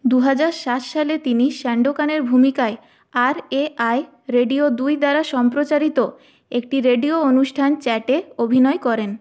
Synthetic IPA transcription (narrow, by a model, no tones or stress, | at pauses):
d̪uɦad͡ʑaɾʃat̪ʃalet̪iniʃɛɳɖokaneɾbʱumikae | aɾeʔaj | ɾeɖiod̪ujd̪aɾaʃɔmpɾot͡ɕaɾit̪o | ek̚ʈiɾeɖioonuʃʈʰant͡ɕɛʈeobʱinɔekɔɾen